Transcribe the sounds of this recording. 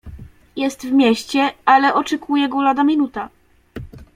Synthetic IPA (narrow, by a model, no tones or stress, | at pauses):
jɛst̪vmʲjɛɕt͡ɕɛalɛʔɔt͡ʂɛkʰujɛɡɔlad̪amʲinut̪a